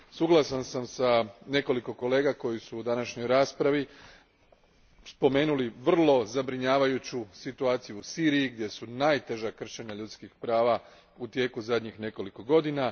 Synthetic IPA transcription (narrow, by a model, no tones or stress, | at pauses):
suɡlˠasansamsane̞ko̞liko̞ko̞le̞ːɡako̞jisuːd̪anaʃɲo̞jɾaːspɾaʋi | spo̞me̞ːnuliʋr̩lˠo̞zabɾiɲaːʋajut͡ɕusit̪uaːt̪sijuːsiːɾijiɡd̪je̞sunajt̪e̞ʒakr̩ʃeɲaʎut̪skixpɾaːʋa | ut̪je̞ːkuzad̪ɲixne̞ko̞liko̞ɡo̞d̪ina